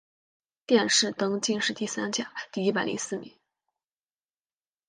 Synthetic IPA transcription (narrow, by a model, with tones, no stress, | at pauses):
t̪jɛ˥˧nʂɻ̩˥˩t̪ɤ˥ŋt͡ɕi˥˧nʂɻ̩˥˧t̪i˥˩sa˥nt͡ɕja̰˨˩˦t̪i˥˩i˥˩p̬a˨˩ɪlḭ˧˥ŋsɹ̩˥˩mḭ˨˩˦ŋ